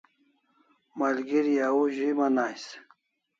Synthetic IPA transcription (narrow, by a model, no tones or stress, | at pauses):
malɡiɾjauʑimanaːjs